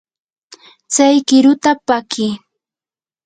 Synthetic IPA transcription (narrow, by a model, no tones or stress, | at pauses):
t͡sajkɪɾʊt̪apakɪː